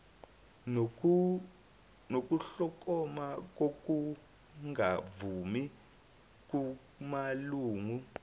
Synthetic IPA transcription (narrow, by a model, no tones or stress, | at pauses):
nok̬ʼuɬɔk̬ʼɔmak̬ok̬ʼu | ŋavumi | k̬ʼu | maluːŋu